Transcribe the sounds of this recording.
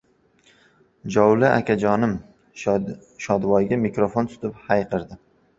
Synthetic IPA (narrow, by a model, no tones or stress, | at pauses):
d͡ʒɒwlɪʔa̰kʲʰad͡ʒɒnɪm | ʃɒd̪wɒjɡʲamɪkɾofont̪ʰʊ̥t̪ʰɪphajqʰɨɾd̪ɪ